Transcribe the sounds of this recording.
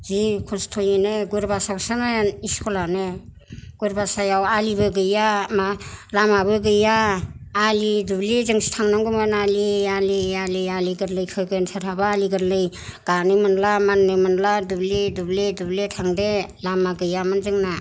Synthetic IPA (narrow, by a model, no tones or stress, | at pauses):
zikʰɔstʰojenɯɡuɾbasaksanaiskʰɔlane | ɡ̥uɾbasajawalibɯɡɯjamalamabɯɡɯjaː | lidublizɯŋsi̥tʰaŋnaŋɡɯmanalialialijaliɡɯɾlɯjkʰɯɡɯjnsaɾʰabaaliɡɯɾlɯj | ɡ̥anɯmɯnlamanːɯmɯnladublidubledubletʰaŋdelamaɡɯjamanzɯŋna